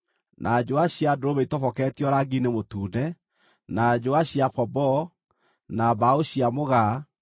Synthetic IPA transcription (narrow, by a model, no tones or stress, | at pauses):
nʔad͡ʒoaɕiadoɾoβeitɔfɔkɛːtjɔɾaɡinemotuːnɛ | nad͡ʒoaɕiafɔbɔ | nabaoɕiamoɣa